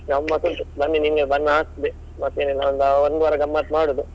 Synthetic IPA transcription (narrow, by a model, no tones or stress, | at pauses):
ɡɐmːasunt̪ubɐnːiniŋɡebɐnːaːsd̪e | mɐt̪eːnilːɐɐnd̪ɐond̪ʋɐɾɐɡɐmːaːt̪maːɽud̪u